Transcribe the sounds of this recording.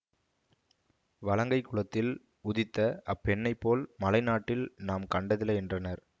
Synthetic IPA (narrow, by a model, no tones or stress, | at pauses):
ʋɐlɐŋɡɐɪkːʊɭɐt̪ːɪl | ʊðɪt̪ːɐɐpːɛɳːɐɪpːoːlmɐlɐɪnaːʈːɪlnaːmkɐɳɖɐðɪlːɐɛndrɐnɐɾ